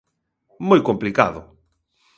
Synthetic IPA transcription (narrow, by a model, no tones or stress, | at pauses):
mojkõmplika̰ðʊ̰